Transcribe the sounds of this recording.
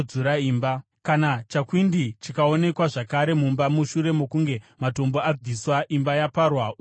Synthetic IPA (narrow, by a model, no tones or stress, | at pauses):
d͡zuɾaiːmba | kanat͡ʃakwindit͡ʃikao̞ne̞kwaʐakaɾe̞mumbamuʃuɾe̞mokuŋɡe̞mato̞mbo̞ad͡zʱiswaʔimbajaparwa